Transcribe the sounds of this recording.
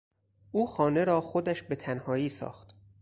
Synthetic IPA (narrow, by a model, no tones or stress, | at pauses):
ʔuːxɒːne̞ɾɒːxod̪æʃbe̞t̪ʰænhɒːiːsɒ̰ːxt̪